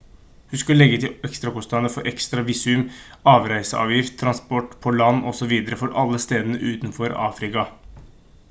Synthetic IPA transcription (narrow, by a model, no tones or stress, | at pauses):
hʉnskʉləlɛɡːət̪ʰɪɛkst̪ɾɑkʊst̪ɑnəfɔɾʔɛkst̪ɾɑʋɪsʉmɑːʋɾæɪsəʔɑ̰ːʋjɪft̪ʰːɾɑnspɔʈːpʰɔlɑnːɔsɔʋiːd̪əɾəfɔɾʔɑlːəst̪eːd̪ənə̰ʔʉːt̪nfɔɾɑ̰ːfɾɪkɑ